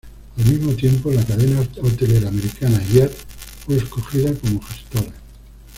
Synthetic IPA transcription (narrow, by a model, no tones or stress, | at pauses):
almizmo̞t̪je̞mpo̞lakaðe̞naot̪e̞le̞ɾaːme̞ɾikanajat̪fweesko̞xiðako̞mo̞xest̪oɾa